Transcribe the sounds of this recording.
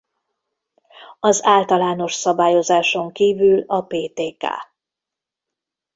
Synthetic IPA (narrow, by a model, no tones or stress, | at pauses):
ɒzaːlt̪ɒlaːno̞ʃsɒbaːjo̞zaːʃo̞ŋkiːvylɒpeːt̪eːka̰ː